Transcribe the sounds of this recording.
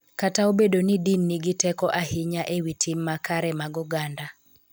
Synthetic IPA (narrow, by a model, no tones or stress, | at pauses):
kataobedonidinːiɡɪtɛkɔʔahɪɲaʔewitʰimːakaɾɛmaɡɔɡanda